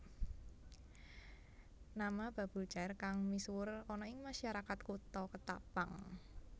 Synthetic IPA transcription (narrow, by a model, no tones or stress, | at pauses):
namab̥a̤b̥ṳlt͡ʃaɪrkaŋmisuʊrɔnɔɪŋmaʃaɾakat̪kut̪ɔkət̪a̰paŋ